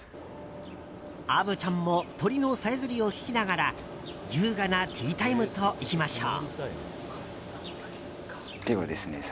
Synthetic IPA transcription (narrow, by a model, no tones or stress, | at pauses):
abɯ̟t͡ɕãmːo̞t̪o̞ɾʲinosaezɨɾʲio̞kʲi̥kʲinaɡaɾa | jɯ̟ːɡanat̪ʲʰiːt̪aimɯ̟t̪o̞ʔikʲimaɕo̰ː | d̪̥eβad̪e̞sɨne